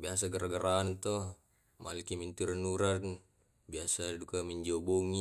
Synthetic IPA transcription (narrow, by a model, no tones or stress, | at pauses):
bias̬aɡəɾaɡaɾaːnt̪ɔ | ma̰likimint̪uɾanuɾan | biasadukaməɲd͡ʒiobɔŋi